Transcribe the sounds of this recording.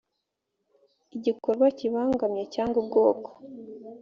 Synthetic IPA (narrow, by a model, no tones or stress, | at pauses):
iɟikoɾɡwaciβaːŋɡamɲecaːŋɡub̚ɡo̞ːko̥